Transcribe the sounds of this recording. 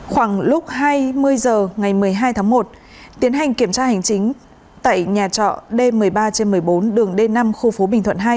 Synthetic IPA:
xwaː˧˩ŋlʊ˦˥k͡p̚haː˧jmɨ˧əjzəː˨˩ŋa˨˩jmɨ˨˩əjɦaː˧jt̪ʰaː˨˦ŋmo˨˩t̚ | t̪i˨˦ənɦa˨˩jŋ̟ki˧˩əmt͡ɕaː˧ha˨˩jŋ̟t͡ɕï˨˦ŋ̟ | t̪a̰ː˧˨jɲaː˨˩t͡ɕɔ̰˧˨ɗe˧mɨ˨˩əjɓaː˧t͡ɕe˧nmɨ˨˩əjɓo˨˦nɗɨ˨˩əŋɗe˧na˧mxu˧fo˨˦ɓï˨˩ŋ̟t̪ʰwə̰˧˨nɦa˧j

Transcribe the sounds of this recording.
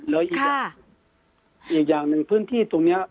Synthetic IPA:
lɛː˦˥˩ʔiː˨˩˧ | ʔiː˨˩k̚jaː˨˩ŋnɯ˨˩ŋpʰɯː˥˨nt̪ʰiː˥˩t̪o˧ŋni˦˥ɐ

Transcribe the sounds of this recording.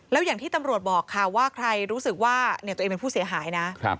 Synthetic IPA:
lɛː˦˥wjaː˨˩ŋt̪ʰiː˥˩t̪a˧mɾu˨˩ət̪̚bɔː˨˩kʰːa˥˩waː˥˩kʰɾa˧jɾuː˦˥sɯ˨˩k̚waː˥˩ni˥˩t̪u˧eː˧pe˧pʰuː˥˩si˩˦ɐ˦ɦaː˩˦jna˦˥kʰɾa̰˦p

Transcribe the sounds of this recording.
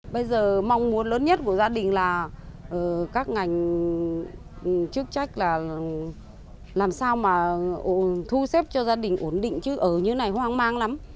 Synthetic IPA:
ɓə˧jzəː˨˩ma˧wŋ͡mmu˨˦ənləː˨˦nɲə˦˥t̚ku˧˩əzaː˧ɗï˨˩ŋ̟laː˨˩ʔəː˨˩kaː˦˥k̚ŋa˨˩jŋ̟˨˩ | t͡ɕɨ˦˥ək̚t͡ɕa˦˥jk̟̚laː˨˩ | laː˨˩msaː˧wmaː˨˩ʔo˧t̪ʰu˧sɛ˦˥p̚t͡ɕɔ˧zaː˧ɗï˨˩ŋ̟ʔu˧˩ənɗḭ˧˨ŋ̟t͡ɕɨ˨˦ʔəː˧˩ɲɨ˧˦na˨˩jhwaː˧ŋmaː˧ŋla˨˦m

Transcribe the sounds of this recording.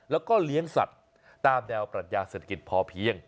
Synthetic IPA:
lɛː˦˥wkɔː˥˩li˦˥əŋsa̰˨˩t̪̚ː | aː˧mnɛː˧wpɾa˨t̪̚jaː˧seː˨˩t̪ʰḁ˧ki˨˩t̪̚pʰɔː˧pʰi˦˥əŋ

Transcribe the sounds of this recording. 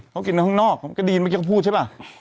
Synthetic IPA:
kʰwki˨na˧˩hɔ˥˩ŋnɔː˥˩k̚ka˧˩diː˨˩nmaː˧˩i˧kʰpʰuː˥˩t̚t͡ɕʰa˧˩

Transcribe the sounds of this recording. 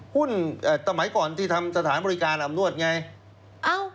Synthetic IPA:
hu˥˩nʔaː˨˩sa˧ma˨˩˦jkɔː˨˩nt̪ʰiː˧˩t̪ʰa˧msa˧t̪ʰaː˩˦nbɔː˧ɾi˧kaː˧nʔa˧mnu˥˩ət̪̚ŋa˧j | ʔa˧w

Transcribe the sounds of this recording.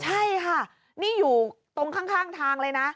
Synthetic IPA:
t͡ɕʰa˥˩jkʰa˥˩ | niː˥˩juː˨˩ | t̪o˧ŋkʰaː˥˩ŋkʰaː˥˩ŋt̪ʰaː˧ŋlɤː˧jna˦˥ʔ

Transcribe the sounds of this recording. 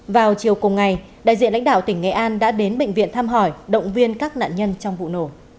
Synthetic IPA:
vaː˨˩wt͡ɕi˨˩əwkʊ˨˩ŋ͡mŋa˨˩j | ɗa̰ː˧˨jzḭ˧˨nla̰˧˥ŋ̟ɗaː˧˨wt̪ï˧˩ŋ̟ŋɛ̰˧˨ʔaː˧nɗa̰ː˧˥ɗe˨˦nɓḛ˧˨ŋ̟vḭ˧˨ənt̪ʰaː˧mɦɔ˧˩jɗə̰˧˨wŋ͡mvi˧ənkaː˦˥k̚na̰ː˧˨nɲə˧nt͡ɕɔ˧wŋ͡mvṵ˧˨no˧˩

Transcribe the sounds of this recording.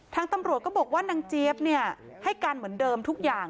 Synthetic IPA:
t̪ʰaː˧ŋt̪a˧mɾu˨˩ət̚kɔ˥˩bɔː˨˩k̚waː˥˩na˧ŋt͡ɕi˦˥˩p̚ni˥˩ɐ | ha˥˩jkaː˧nmɯ˩˦əndɤː˧mt̪ʰu˦˥k̚jaː˨˩ŋ

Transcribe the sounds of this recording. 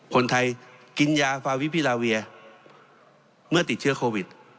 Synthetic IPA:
kʰo˧nt̪ʰa˧jki˧njaː˧faː˧wi˦˥pʰi˧˥˩laː˧wi˧ɐ | mɯ˥˩ɐt̪i˨˩t̪̚t͡ɕʰɯ˥ɐkʰoː˧wi˨˩t̪̚

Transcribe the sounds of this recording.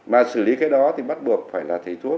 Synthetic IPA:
maː˨˩sɨ˧˩li˨˦kaː˨˦jɗɔ˨˦t̪ʰi˨˩ɓa˦˥t̚ɓɨ˨˩ək̚faː˧˩jlaː˨˩t̪ʰə˨˧˦jt̪ʰu˦˥ə

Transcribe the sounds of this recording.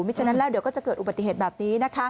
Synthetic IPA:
maː˥˩t͡ɕʰaː˧˥na˦˥lɛː˥˩wdi˨˦əkɔː˥˩t͡ɕa˨˩kɤː˨˩t̪ʔu˨˩a˨˩t̪ːi˨˩ɦeː˨˩bɛː˨˩p̚niː˦˥na˦˥kʰa˦˥

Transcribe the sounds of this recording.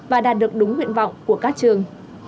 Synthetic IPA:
vaː˨˩ɗaː˨˩t̚ɗɨ˨˩ək̚ɗʊ˨˦ŋ͡mhwḭ˧˨ənvɔ̰˧˨wŋ͡mku˧˩əkaː˦˥k̚t͡ɕɨ˨˩əŋ

